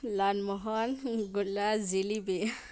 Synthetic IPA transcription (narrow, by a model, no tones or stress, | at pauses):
lanmɔɦɔnɡulazilibe